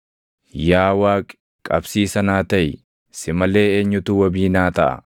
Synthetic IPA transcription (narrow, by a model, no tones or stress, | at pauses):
jaːwaːkʼ | kʼɐbsiːsɐnaːt̪ɐjɪ | sɪmɐle̞ːeːɲːʊt̪uːwɐbiːnaːt̪ɐʔɐ̰